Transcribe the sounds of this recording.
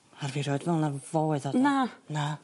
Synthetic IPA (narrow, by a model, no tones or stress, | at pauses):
arviɾoɨdvɛlˠnav̥oːɨðɔnana